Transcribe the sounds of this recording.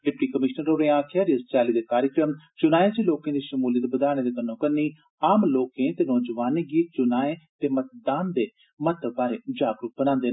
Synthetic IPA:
lɪpʈiːkəmɪʃnəɾɾoːɾeːãːkʰɛːɾiəst͡ʃaːliːd̪eːkaːɾjəkɾəmt͡ʃʊnaːjẽːd͡ʒiːloːkẽːd̪iːʃəmuːlid̪bəd̪aːɽ̃ẽːd̪eːk̪ənːõːkənːiː | aːmloːkẽːt̪eːnɔːd͡ʒəʋaːnẽːɡiːt͡ʃʊnaːẽːt̪eːmət̪̚d̪aːnd̪eː | mət̪əbaːɾeːd͡ʒaːɡɾʊk̚bənãːnd̪eː

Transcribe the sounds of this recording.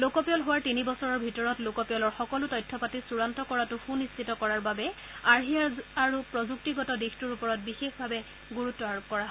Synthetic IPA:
lokɔpijɔlɦowaɹtinibɔsɔɹɔɹbʱitɔɹɔtlokɔpijɔlɔɹxɔkɔlʊtɔjtʰːɔpatisuɹantɔkɔɹatʊxunissʰitɔkɔɹaɹbabɛ | aɹɦijaaɹupɹɔzuk̚tiɡɔtɔdixtuɹupɔɹɔt̚bixexbʱabɛ | ɡuɹutːɔaɹob̚kɔɹaɦɔ

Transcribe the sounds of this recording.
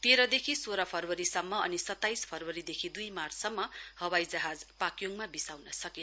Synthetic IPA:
t̪eɾʌd̪ekʰisoɾʌpʰʌrwʌɾisʌmːʌʌ̰nisʌt̪ːajspʰʌrwʌɾid̪ekʰid̪ujmarsʌmːʌhʌwajd͡zʌɦad͡zpakjoŋmabisawnʌsʌken

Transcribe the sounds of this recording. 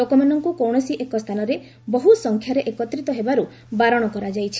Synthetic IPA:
lokɔmanɔŋkukɔwɽ̃ɔsiʔekɔst̪ʰanɔɾe | bɔɦusɔŋkʰjaɾeʔekɔt̪ɾit̪ɔɦebaɾu | baɾɔɽ̃ɔkɔɾad͡ʒajt͡ʃʰi̥

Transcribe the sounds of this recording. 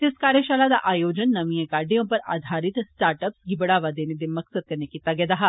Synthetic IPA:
t̪ɪskaːɾjəʃaːlad̪aʔaːjoːd͡ʒənːɐʋĩjẽkaːɾɖijõpɐɾa̰ːd̪ʱaːɾɪt̪sʈaːɾʈəpsɡɪbɽaːʋad̪eːned̪emɐksəd̪̚kɐɾnekiːt̪aɡɛd̪aɦaː

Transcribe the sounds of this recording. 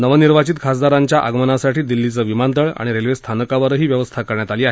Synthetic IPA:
nəʋəniɾʋat͡ɕit̪kʰas̬d̪aɾaɲt͡ɕjaʔa̰ɡmənasaʈʰiːd̪ilːit͡səːʋimant̪əɭa̰ɽ̃iɾelʋest̪ʰanəkaʋəɾɦiːʋjəʋəst̪ʰakəɾɳjat̪aliːaɦe

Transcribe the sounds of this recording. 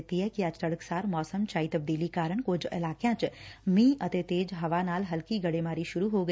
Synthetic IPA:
t̪iɦɛkiad͡ʒt̪əɽəksaːɾmɔːsəmt͡ʃaːit̪ɐb̚d̪iːlikaːɾəɳ̃kʊd͡ʒɪ̰laːkjãːt͡ʃmĩːʔət̪et̪eːd͡ʒɦɐʋaːnaːlɦɐlkiɡɐɽeːmaːɾiʃʊɾuɦoːɡə

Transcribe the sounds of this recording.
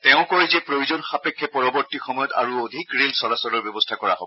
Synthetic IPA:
tɛʊ̃kɔɹɛzɛpɹojuzɔnxapekʰːɛpɔɹɔbɔɹtixɔmɔjɔta̰ɹuodʱikɹelsɔlasɔlɔɹbjɔbɔstʰakɔɹa̰ɦo̰bɔ

